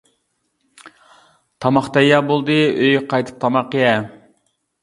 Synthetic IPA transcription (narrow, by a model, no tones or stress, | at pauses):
t̪ʰɑmɑχt̪ɛjːɑːbolˠd̪ɨøjqʰɑjt̪ʰɨ̥p̚t̪ʰɑmɑqjɛ